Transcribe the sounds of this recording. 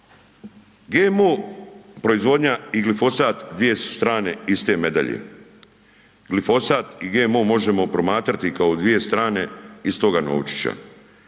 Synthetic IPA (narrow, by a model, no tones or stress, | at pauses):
ɡemopɾo̞izʋo̞d̪ɲaiɡlifo̞saːt̪d̪ʋije̞su̥st̪ɾaːne̞ist̪e̞me̞d̪a̰ʎḛ | ɡ̥lifo̞saːt̪iɡemomo̞ʒe̞mo̞pɾo̞maːt̪ɾat̪ikaod̪ʋije̞st̪ɾaːne̞ist̪o̞ɡano̰ːwt͡ʃi̥t͡ɕa̰